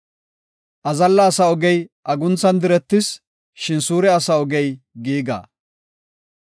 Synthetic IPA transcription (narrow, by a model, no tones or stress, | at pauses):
ʔɐzɐlːɐːsɐɔɡɛjʔɐɡʊnt͡sɐnd̪ɪɾɛt̪ːɪs | ʃɪnsuːɾɛɐsɐɔɡɛj | ɡiːɡa̰ː